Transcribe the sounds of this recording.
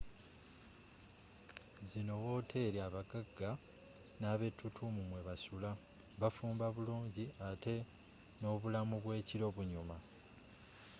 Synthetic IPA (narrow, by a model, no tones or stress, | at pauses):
zino̞wo̞tʰe̞ɾiaβaɡaɡːa | naːβe̞tːutʰumumwe̞βasula | βafuːmbaβuluːɲɟiate̞ | no̞βulamuβwe̞ːciɾo̞βuɲuma